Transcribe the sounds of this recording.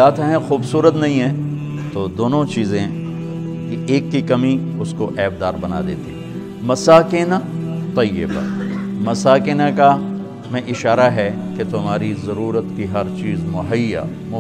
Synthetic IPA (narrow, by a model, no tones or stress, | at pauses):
aːt̪ɛ̃ɦɛ̃xuːbsuːɾət̪nɐɦĩɦɛ̃ | t̪oːd̪oːnõt͡ʃiːzẽ | kieːkːikɐmiʊskoʔɛːbd̪aːɾbɐna̰d̪ḛːt̪eɛ | mɐsaːkenat̪ɐjɪ̰ba̰mɐsaːkenaka | mɛ̃ʔɪʃaːɾaɦɛket̪ʊmɦaːɾizɐɾuːɾət̪kiɦɐɾt͡ʃiːzmʊɦəjːa̰ | mʊ